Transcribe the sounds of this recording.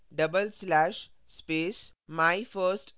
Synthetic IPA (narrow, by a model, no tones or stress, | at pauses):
ɖɐbəlslæʃspeːs | majfəɾsʈ